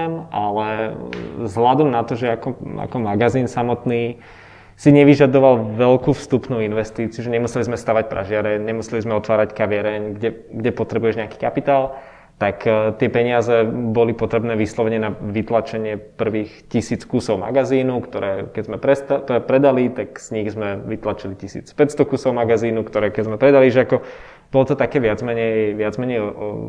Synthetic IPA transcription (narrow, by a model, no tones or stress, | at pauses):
malɛ | zɦlad̪ɔmnat̪ɔʒɛakɔa̰kɔmaɡaziːnsamɔt̪niː | siɲɛʋiʒad̪ɔʋalʋɛlkuːfst̪upnuːinʋɛst̪iːt͡siɪuʒɛɲɛmusɛlizmɛst̪aːʋac̚pɾa̰ʒɪaɾɛɲɛmusɛlizmɛɔt̪ʋaːɾackaʋɪaɾɛɲɡɟɛɡɟɛpɔt̪ɾɛbujɛʒɲɛaki̥ːkapit̪aːl | t̪akt̪ɪɛpɛɲɪazɛbɔlipɔt̪ɾɛbnɛːʋislɔʋɛɲɛnaʋit̪lat͡ʃɛɲɪɛpr̩ʋiːxcisiːt͡skusɔʊma̰ɡaziːnukt̪ɔɾɛːkɛzmɛpɾɛɛpɾɛd̪alit̪akz̥ɲiɣzmɛʋit̪lat͡ʃilicisḭːt͡spɛcst̪ɔkuːsɔʊmaɡaziːnukt̪ɔɾɛːkɛɟzmɛpɾɛd̪aliʒɛakɔ | b̥ɔlɔt̪ɔt̪akɛːʋɪad͡zmɛɲɛjʋɪad͡zmɛɲɛjɔɔ̰